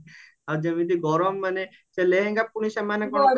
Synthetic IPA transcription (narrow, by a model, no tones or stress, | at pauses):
ad͡ʒamit̪iɡɔɾomːane | t͡ʃeleɦeŋɡapuniʃemanekɔ